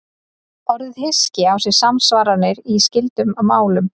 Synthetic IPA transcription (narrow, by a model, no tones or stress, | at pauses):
ɔɾðhɪscɪawsɛɾ̥samsvaːɾanɪɾiscɪlt̪ʏmamaːwlʏm